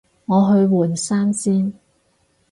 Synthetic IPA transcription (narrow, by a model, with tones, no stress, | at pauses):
ŋɔː˨˧ɦɵ˧ɥwuː˨˩nsaː˥nsiː˥n